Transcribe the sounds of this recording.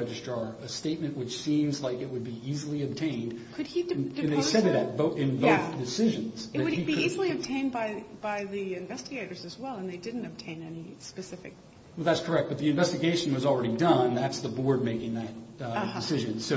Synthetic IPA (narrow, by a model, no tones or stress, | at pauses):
ɛd͡ʒɨstɹ̥ɑɨsteɪt̚mɨ̃nʔwɨt͡ʃsĩmzlaɪkɨt̚wɨd̚biizl̩ˠiɨb̚tʰẽɪ̃ndkʰɨd̥̚iɨ̃nðeɪsɛɾɨɾɨt̚b̥oʊɨ̃nboʊθd̥ɨsɪʒɨ̃nz̥ðɨwɨɾiiizl̩ˠiɨb̚tʰẽɪ̃nbaɪb̥aɪðiɪ̃ɱvɛstɨɡeɪɾə˞zɨzwɛlˠə̃nðeɪdɪdⁿn̩tɨb̚tʰẽɪ̃nɛnispɨsɪfɨ̰k̚ | wɛlˠðætskʰə˞ɛk̚t̚b̥ʌt̪̚ðiɨ̃ɱvɛstɨɡeɪʃɨ̃n̩wʌzl̩ˠɹɛɾidʌ̃ñnðætsðəbɔɹd̚meɪkɪ̃ŋðɨt̚dɨsɪʒɨ̃nsoʊ